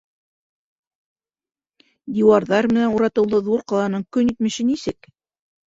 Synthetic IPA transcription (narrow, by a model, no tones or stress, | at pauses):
d̪iwɑɾðɑɾmɘ̆nænuɾɑt̪ɤ̆wlˠɤðuɾqɑlˠɑnɤɴkɵnit̪mɘ̆ɕɘnisɘk